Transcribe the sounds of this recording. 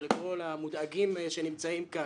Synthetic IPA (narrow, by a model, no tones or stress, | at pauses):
leko̞lamud̪aɡimʃenimt͡saimka